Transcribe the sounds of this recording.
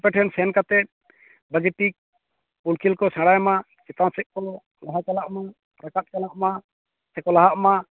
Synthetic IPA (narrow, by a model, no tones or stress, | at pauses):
pɛʈʰɛnsɛnkat̪ɛ | baɡɛʈik̚ | pulkʰilkɔsãɽajma | t͡ʃɛt̪ansɛʔ̚kɔlɔ | laɦakalaʔma | ɾakat̪̚kalaʔma | sɛkɔlaɦaʔma